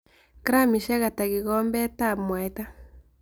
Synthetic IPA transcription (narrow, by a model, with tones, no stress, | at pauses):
kɾa˦˨mi˨ʃa˦ɣa˨ta˨ɣi˨ɣɔ˦mbɛ˦ta˦˨mwa˨e˦ta˦